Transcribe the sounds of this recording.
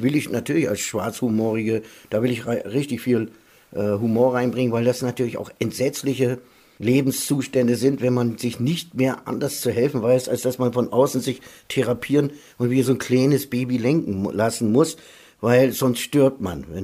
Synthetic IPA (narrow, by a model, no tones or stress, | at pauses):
vɪlɪçnatʰyːɐlɪça̰lsʃv̥aɐt͡shumoːʁɪɡəd̥aːvɪlɪçʁaɪʁɪçtɪçfiːl | ʔɛːɦumoːɐʁaɪnbʁɪŋənvaɪldasnatʰyːɐlɪça̰ʊxʔɛntz̥ɛt͡slɪçə | leːbm̩st͡suːʃtɛndəzɪntv̥ɛnmanzɪçnɪçtmeːɐʔa̰ndɐst͡suɦɛlfn̩vaɪsalsd̥asmanfɔnʔaʊsn̩zɪçtʰɛʁapʰiːʁən | ʔʊntv̥iːɐzoːnkʰl̥aɪnəsb̥eːbilɪŋkŋ̩lasn̩mʊs | vaɪlz̥ɔnstʃtʏɐp̚tma̰nvɛn